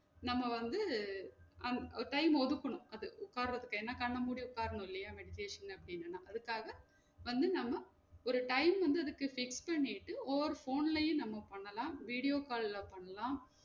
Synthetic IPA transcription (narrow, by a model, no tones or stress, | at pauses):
nɐmːɐʋɐnd̪ɯ | ɐnɔʈɐɪmɔðɯkːɐɳʊ̃ɐðɯʊkːaːɾɾɐðɯkːeːnːaːkɐɳːɐmuːɽiʊkːaːɾɐɳʊ̃ɪlːɐjaːmɛɽɪt̪eːʂɐnɐpːɐɽɪnːɯnːaːɐðɯkːaːɣɐ | ʋɐnd̪ɯnɐmːɐ | ɔɾɯʈɐɪmʋɐnd̪ɯɐðɯkːɯfɪkspɐɳːɪʈːɯɔɐɾɯfoːnlɐjʊ̃nɐmːɐpɐɳːɐlãːʋiːɽɪjoːkaːllɐpɐɳːɐlãː